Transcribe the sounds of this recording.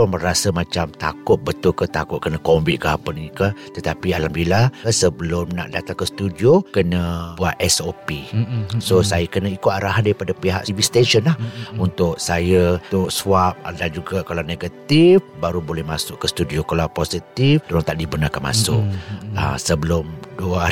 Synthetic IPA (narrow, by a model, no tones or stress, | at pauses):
ʊməɾasəmat͡ʃamt̪a̰kʊt̪̚bət̪ʊlkət̪akʊt̪̚kənəkɔmbit̪̚kəɦapənikət̪ət̪apialambilasəbəlʊmna̰ʔdat̪aŋkəst̪udiokənəbuat̪ɛsopisosajəkənəikoʔaɾaɦandaɾipadapiɦa̰ʔsivist̪ɛnʃənlahunt̪ʊk̚sajət̪ʊk̚suap̚dand͡ʒuɡakalaneɡət̪ifbaɾubolɛhmasʊʔkəst̪udiokalawposit̪ift̪uɾaŋt̪aʔdibənakanma̰sʊʔ̚ə̰səbəlʊmduə